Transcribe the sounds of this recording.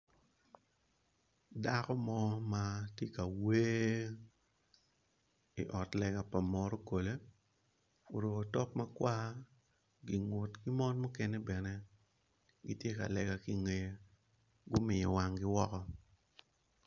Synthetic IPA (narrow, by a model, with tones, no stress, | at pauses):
da˦kɔ˦mɔ˦ma˦tje˦ka˨we˦ | ḭ˨ʔɔ˨tlɛ˨ɡa˨pa˨mɔ˨ɾo˦ko˨le˦ | o˨ɾo˨ko˨tɔ˦p̚ma˦kwa˦ | ɡi˨ŋwo˨tki˦mɔ˦nmo˦kɛ˦ne˦bɛ˨nɛ˦ | ɡi˦tje˦ka̰˨lɛ˨ɡa˨ki˦ŋe˨j | ɡʊ˦mɪ˨ɲɔ˨wa˨ŋɡɪ˦wɔ˦kɔ˦